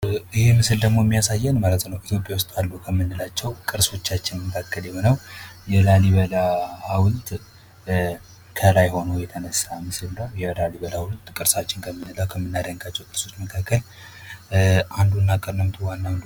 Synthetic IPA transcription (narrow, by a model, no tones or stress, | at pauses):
ɨhemɨsɨld̪əɡmo̞ɛmːijasajːɛnmalət̪nəwʔit̪ʰjo̞pʼjawʊst̪ʼalːukʰəmːɨnːɨlat͡ʃːɛwkʼɨɾso̞t͡ʃːat͡ʃːɪnməkʰakːəljɛho̞nəwjɛlaliβəlahawlt̪ʼ | kʰəlajho̞nəwjɛt̪ʰənəsːamɨsɨlnəwjɛlaliβəlawlt̪ːkʼɨɾsat͡ʃːɪnkʰəmːɨnːɨlawkʰəmːɨnːaɾaŋɡat͡ʃːɛwkʼɨɾsot͡ʃ̪məkʰakːəl | ʔand̪unːakʼənːəmt̪ʰuwanːawnd̪u